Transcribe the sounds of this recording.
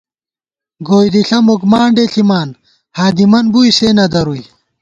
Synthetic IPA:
ɡoːjd̪iɬɐmokmaːɳɖeɬimaːn | haːd̪imɐnbujseːnɐd̪ɐɾuj

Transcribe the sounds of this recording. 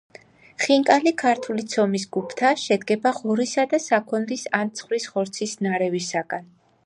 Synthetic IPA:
χiŋkʼalikʰaɾt̪ʰulit̪sʰɔmis̬ɡupʰt̪ʰaʃɛd̪̚ɡɛbaʁɔɾisad̪asakʰɔnɾisant̪sʰχwɾisʁɔɾt̪sʰisnaɾɛvisaɡ̥an

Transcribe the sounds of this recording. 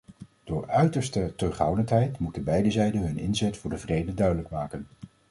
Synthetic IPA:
d̥ʊːɹœɥtəɹstətɵχɦɑwdəntɦɛjtmutənbɛjdəzɛjdənɦɵnɪ̰nzɛtfʊːɹdəvrejdədœɥdələkmaːkən

